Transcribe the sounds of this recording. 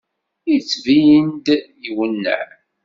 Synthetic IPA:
it͡sːvind̪jiwənːæ̰ʕ

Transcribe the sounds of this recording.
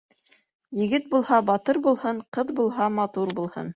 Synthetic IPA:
jɘ̆ɡɘt̪̚bulˠhɑbɑt̪ɤɾbulˠhɤɴqɤðbulˠɦɑmɑt̪uɾbulˠhɤ̰n

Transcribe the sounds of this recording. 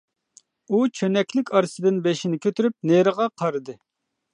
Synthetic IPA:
ut͡ʃʰønɛkʲlɪkʲʰɑɾsɨd̪ɨnbeʃinɪkʲʰøt̪ʰyɾyp̚neɾəʁɑqʰɑɾɨd̪ɨ

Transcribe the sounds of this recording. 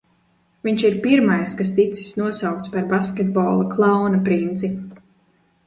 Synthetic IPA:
viɲt͡ʃiɾpiɾmajskast̪it̪si̥snuɔsawk̚t̪spaɾbaskʲɛd̪̚bɔːlˠaklˠɑwnapɾint̪sip

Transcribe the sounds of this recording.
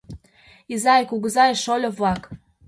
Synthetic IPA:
izɑjkuɣəzɑjeʃolʲoβlɑk

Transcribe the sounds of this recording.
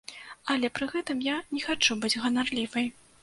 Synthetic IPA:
ɐlʲɛpɾɨɣɛt̪ɨmjanʲɛxat͡ʂubɨd͡zʲɣɐnarlʲivɐj

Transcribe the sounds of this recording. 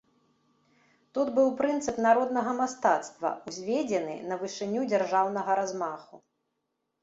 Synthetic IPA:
t̪ud̪bɨwpɾɨnt̪sɨpnaɾɔd̪nɐɣɐmast̪at̪st̪vɐ̰uzʲvʲed͡zʲɛnɨ̰nɐvɨʂɨnʲud͡zʲarʐawnɐɣɐɾazmaxu

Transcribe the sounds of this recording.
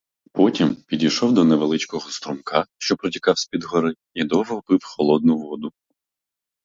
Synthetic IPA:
pɔtʲimpʲidʲijʃɔwd̪ɔneʋelˠɪt͡ʃkɔɦɔst̪ɾɔmkʰɑʃt͡ʃɔpɾɔtʲikɑwsʲpʲid̪ɦɔɾɪ | id̪ɔɦɔpɪwxɔlˠɔd̪̚nʊʋɔd̪ʊ

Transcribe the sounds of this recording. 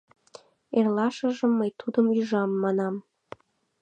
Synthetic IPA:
erlɑʃə̆ʒə̆mːəjt̪ud̪əmyʒɑmːɑnɑm

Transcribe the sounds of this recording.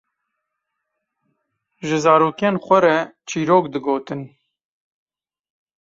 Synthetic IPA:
ʒɪzɑːɾoːkeːnxʷɛɾɛt͡ʃʰiːɾoːkd̪ɨɡoːt̪ɨn

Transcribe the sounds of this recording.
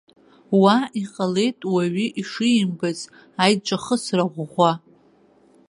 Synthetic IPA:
waiqʼale̞jtʼwaɥiʔiʂimbazʼ | ajt͡ʃʷʼaχəsraʁʷʁʷa

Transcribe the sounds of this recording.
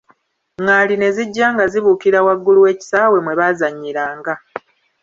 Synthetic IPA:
ŋaːline̞ziɟːaːŋɡaziβuːkiɾawaɡːuluwe̞ːci̥saːwe̞mwe̞βazaɲːiɾaːŋɡa

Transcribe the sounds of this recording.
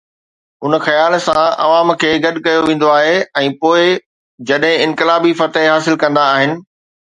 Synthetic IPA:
ʊnxɐjaːlsãɐ̰ʋaːmkʰeːɡɐɗkɐjoʋẽːn̆d̪oaːɦeɛ̃ːpoːɪ | d͡ʑɐɗɦɪ̃ɪ̃nkɪlaːbifɐt̪ɦɦaːsɪlkɐ̃nd̪aːɦɪnɪ̆

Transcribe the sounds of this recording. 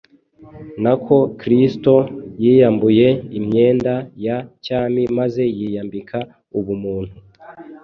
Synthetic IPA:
nakʰo̞kɾisto̞jiːjambuje̞imɲe̞ːndajacaːmimaze̞jiːjambikʰa | uβumuːn̥hu

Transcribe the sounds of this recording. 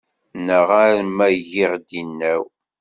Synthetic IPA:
nəʁaɾmæʝiʁd̪inːæw

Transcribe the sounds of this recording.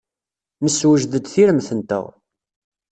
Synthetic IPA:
məswəʒðəd̪θiɾəmθənt̪ə̰ʁ

